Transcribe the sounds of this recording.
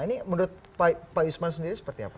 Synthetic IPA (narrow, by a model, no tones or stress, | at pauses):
iniməndɾʊt̪̚ | papausmansəndiɾisə̥pərt̪ia̰pa